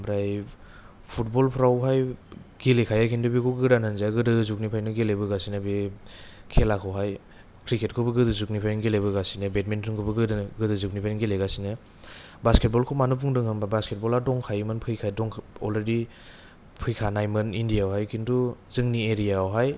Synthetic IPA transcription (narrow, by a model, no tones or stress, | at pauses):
bɾaj | pʰut̚bɔlpʰɾawɦajɡilekʰajajkʰindubikʰɔɡɯdananzaɡɯdɯzuk̚nipʰajnɯɡelebɯɡasinɯbe | kʰelakʰɔwɦaj | kʰɾiket̚kʰɯbɯɡɯdɯzuknipʰanɡelebɯɡasinɯbet̚mentʰɾɯŋkʰɔbɯɡɯdaɡɯdɯzuknipʰanɡileɡasinɯ | basket̚bɔlkʰɔmanupʰuŋdɯŋhɯmabasket̚bɔladɔŋkʰajɯmɯnpʰɯjkʰajdɔŋkʰɔlɾedi | pʰɯjkʰanajmɯnindijawhajkʰinduzɯŋnieɾijaɔɦaj